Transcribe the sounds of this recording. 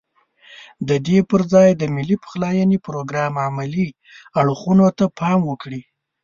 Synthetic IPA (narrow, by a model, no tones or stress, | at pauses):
d̪əd̪epəɾzɑjd̪əmɪlipə̥xlɑjanipɾoɡɾɑmamali | aɽxunot̪apʰɑmwəkɽi